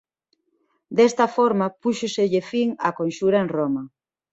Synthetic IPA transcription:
d̪est̪ɐfoɾmɐpuʃʊsɪʎɪfiŋɐkonʃuɾɐeŋromɐ

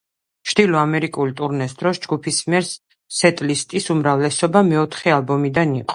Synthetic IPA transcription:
ʃd̪̥ilɔamɛɾikʼulit̪ʼuɾnɛsd̪ɾɔsd͡ʒɡupʰismiɛɾs | sɛt̪ʼlist̪ʼisumɾavlɛsɔbamɛɔt̪ʰχɛalbɔmid̪aniqʼɔ̥

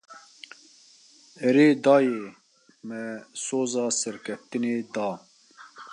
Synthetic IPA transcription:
ɛɾeːd̪ɑːjeː | mɛsoːzɑːsɛɾkʰɛft̪ɨneːd̪ɑː

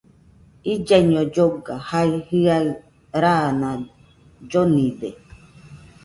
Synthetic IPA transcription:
id͡ʒaiɲõd͡ʒoɡahaihɨa | ɾaːnã | d͡ʒonĩde

